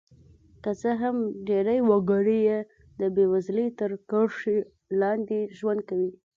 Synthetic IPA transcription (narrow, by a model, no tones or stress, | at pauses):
kət͡səɦamɖeɾajwaɡɑɽeje | d̪əbewazlet̪əɾkaɽʂi | lɑnd̪eʒwand̪̚kawi